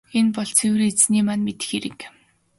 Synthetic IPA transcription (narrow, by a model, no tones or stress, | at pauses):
enpɔɮt͡sʰew̆ret͡sniːmanmet̪ɘ̥̆xeɾɘ̆k